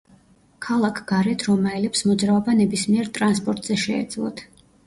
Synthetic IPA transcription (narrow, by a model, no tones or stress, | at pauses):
kʰalˠakʰɡ̥aɾɛt̪ʰɾɔmaɛlɛpsmɔd̪zɾaɔbanɛbismiɛɾt̪ʼɾans̬pʼɔɾt̪ʼz̥ɛʃɛ̰ːd̪zlˠɔ̰t̪ʰ